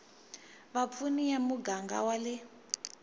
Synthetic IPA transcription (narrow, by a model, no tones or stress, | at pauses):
βap̪funijamuɡaŋɡa̰walɪ